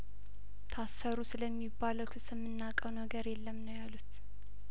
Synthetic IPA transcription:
t̪ʰasəɾusɨləmːibːaləwkʰɨsɨmːɨnːakʼəwnəɡəɾjɛlːəmnəwjalut̪

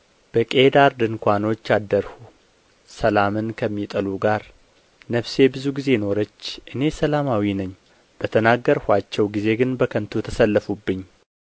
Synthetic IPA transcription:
b̥əkʼe̞d̪aɾd̪ɨnkʷano̞t͡ʃːad̪əɾhu | səlamɨnkʰəmːit̪ʼəluɡaɾ | nəβse̞bɨzuɡize̞no̞ɾət͡ʃːʔɨne̞səlamawinəɲː | b̥ət̪ʰənaɡːəɾhʷat͡ʃːɛwɡize̞ɡɨnbəkʰənt̪ʰut̪ʰəsəlːəfubːɨɲː

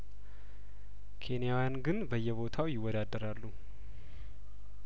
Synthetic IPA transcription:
kʰe̞nijawjanɡɨnbəjːɛβo̞t̪ʰawjɪwːɔd̪ad̪ːəɾalːu

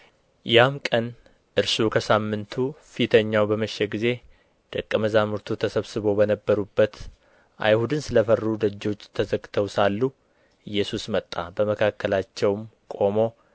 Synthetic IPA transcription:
jamkʼən | ʔɨɾsukʰəsamːɨnt̪ʰufit̪ʰəɲːawbəməʃːeɡize̞ | d̪̥əkʼːəməzamɨɾt̪ʰut̪ʰəsəβsɨβo̞bənəbːəɾubːət̪ | ʔa̰jhud̪ɨnsɨləfərud̪əd͡ʒːo̞t͡ʃːt̪ʰəzəɡt̪ʰəwsalːu | ɨjːɛsusmət̪ʼːa̰bəməkʰakːəlat͡ʃːɛwmkʼo̞mo̞

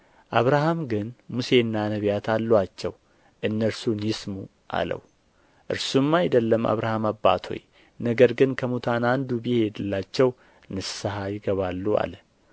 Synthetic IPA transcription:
ʔaβɾahamɡɨnmuse̞nːanəβjat̪ʰalːwat͡ʃːɛw | ʔɨnːəɾsunjɪsmu | ʔa̰lə̰w | ʔɨ̰ɾsumːajd̪əlːəma̰βɾahamaba̰t̪ʰo̞̰j | nəɡəɾɡɨnkʰəmut̪ʰanand̪ubiheɛd̪ɨlːat͡ʃːɛw | nɨaɦajɪɡəβalːua̰lə

